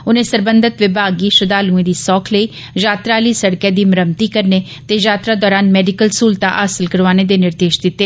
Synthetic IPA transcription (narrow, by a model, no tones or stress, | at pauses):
ʊnẽːsəɾbənd̪ət̪ʋɪbʱaːɡiːʃəd̪aːlũːẽːd̪iːsɔːkʰləiː | zaːt̪ɾaːliːsəɽkjaːd̪iːməɾəmt̪iːkəɾneː | t̪eːzaːt̪ɾaːd̪ɔːɾaːnmɛːɖɪkəlsuːlt̪a̰ːʔaːsɪlkəɾʋaːneːd̪eːnɪɾd̪eːʃd̪ɪt̪ːeː